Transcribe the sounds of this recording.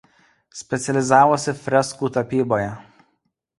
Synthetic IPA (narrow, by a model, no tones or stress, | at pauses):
sʲpʲɛt̪sʲɛlʲɪzɑːʋoːsʲɪfʲɾʲɛskuːt̪ɐpʲiːboːjɛ